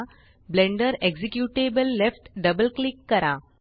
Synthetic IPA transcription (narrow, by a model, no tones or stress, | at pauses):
blẽɳɖəɾeɡd͡ʑekjuʈebəlːefʈɖəbəlklikːəɾa